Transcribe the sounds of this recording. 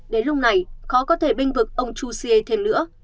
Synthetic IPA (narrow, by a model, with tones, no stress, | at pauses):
ɗe˨˦nlʊ˧k͡p̚na˨˩jxɔ˨˦kɔ˨˦t̪ʰe˧˩ɓï˧ŋ̟vɨ˨˩k̚ʔə˧wŋ͡mt͡ɕu˧si˧e˧t̪ʰe˧mlɨ̰˧˥ə